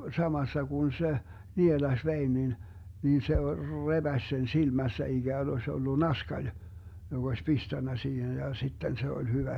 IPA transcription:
sɑmɑsːɑ kun se nielɑsʲ ʋein nin nin se rebæsʲ sen silmæsːæ iɡ̊æːn osʲ olːu nɑskɑlʲ joɡ̊ osʲ pistænːæ siːhen jɑ sitːen se olʲ hyʋæ

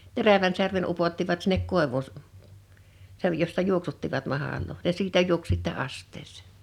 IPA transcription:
teræʋæn særmen upotːiʋɑt sinːek koˑeʋuˑ s sej josːɑ juoksutːiʋɑt mɑhɑˑloː jɑ siːtæ juoks sitːɛ ɑstːeːsˑe̥ˑ

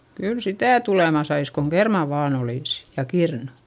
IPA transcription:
kyl sitæˑ tulemɑ sɑis koŋ kermɑˑ ʋɑːn oliˑsi̥ jɑ kirnu̥

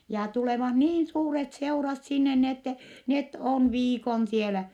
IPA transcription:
jɑ tuleʋɑh niːn suːret seurɑt sinːe ni etːɛ net on ʋiːkon sielæ

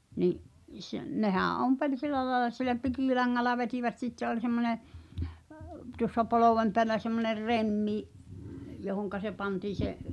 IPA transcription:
niʔ s nehæ̃ː ompelʲ silˑæ lɑĕlɑ silæ pikiˑlɑŋːɑlːɑ ʋetiʋæt sitːe olʲ semːone əp tuŏsːɑ poloʋem peælæ semːoner remːi johoŋkɑ se pɑntiːn̞̆ se

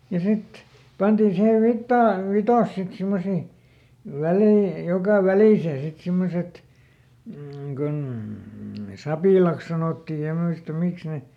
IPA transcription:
jɑ sit pɑntiːn̞ siheʋ ʋitːɑː ʋitɑs sit simːosi ʋælei jokɑ ʋæliˑseː sit simːoset m̩ kun sɑpiˑlɑˑks sɑnoˑtːi jɑ muistɑ miks ne

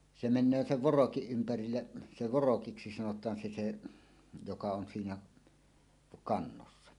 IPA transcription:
se menˑøː seʋ ʋorokiʔ ʔympærilːe se ʋorokiksi sɑnotˑɑːn se se jokɑ on siːnæ kɑnːosːɑ

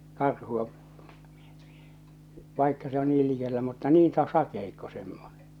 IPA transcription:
kɑrhuɒ ʋɑˑikːɑ se on niːl likelːæ mutːɑ niːn sɑ sɑkeikːo semːone

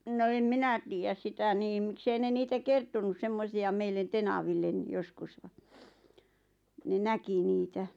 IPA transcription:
no em minæ tiːjæs sitæ niːm mĭksei ne niːtæ kertonus semːosiɑ meilːen tenɑʋilːen joskus ʋ̥ɑ̥ ne næki niːtæ

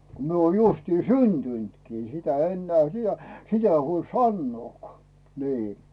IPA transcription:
ko mie oːn justi syntyntkiː sitæ enːĕæˑ sid̥̆æ sitæ ei huolʲ sɑnːŭoˑkŏɑˑ niː

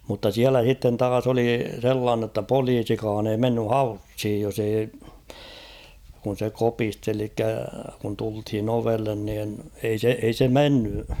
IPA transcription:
mutːɑ siælæ h̞itːen tɑːs oli selːɑːnːə̆ tːɑ poliːsikɑːn ei menːy hɑushij jos ei kun̞ se kopisteli elikːæ kun tulthin oʋelːen niːn ei se ei se menːy

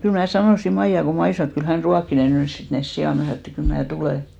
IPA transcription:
kyl mnæˑ sɑnoˑsi mɑijɑ ko mɑi sɑnoˑ et kyl hæn ruɑkːi ne nys sit nes sijɑˑ mæ sɑno et kyl mnæː tuleˑ

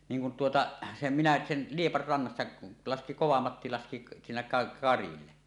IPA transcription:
niːŋ kun tuotɑ sem minæ sen liepɑr rɑnːɑsːɑ lɑski koʋɑmɑtːi lɑski siːnæ kɑ kɑrilːe

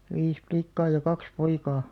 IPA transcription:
ʋis plikːɑː jɑ kɑks poikɑː

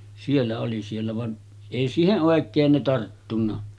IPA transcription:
sielːæ oli sielːæ ʋɑn eˑi siːheʔ ʔoˑekˑeːn ne tɑrtːunːɑ

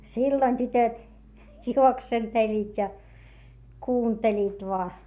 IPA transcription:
silːoĭn tytøt juoksentelʲːiːtʲ jɑ kuːntelʲiːt ʋoɑ

